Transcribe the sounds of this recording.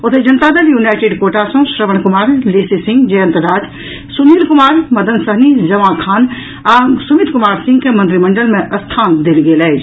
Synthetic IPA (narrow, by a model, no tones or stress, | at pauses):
ot̪ʰed͡ʒɐnt̪ad̪ɐljuːnaːɪʈeɖkoːʈasõʃɾəʋəñkʊmaːɾleːsisɪ̃ŋɡd͡ʒɐjə̃nt̪əɾaːd͡ʒ̪ | suniːlkʊmaːɾmɐd̪ʱənsəɦnid͡ʒɐʋãkʰaːn | aːsumit̪kʊmaːɾsɪ̃ŋɡkemə̃nt̪ɾimɐɳɖəlmẽʔɐst̪ʰaːnd̪elɡeːlɛd͡ʒ